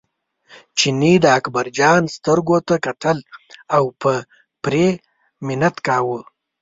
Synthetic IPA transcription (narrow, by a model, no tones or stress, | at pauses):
t͡ʃinid̪əakbaɾd͡ʒɑnst̪əɾɡot̪akat̪əlawpə | pɾe | mɪnat̪kɑːwə